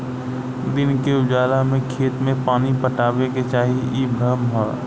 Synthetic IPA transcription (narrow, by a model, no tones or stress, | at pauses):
d̪ɪnkeʊd͡ʒaːlamẽkʰeːt̪mẽpaːnipəʈaːweket͡ʃaːɦiʔiːbʱəmɦɛː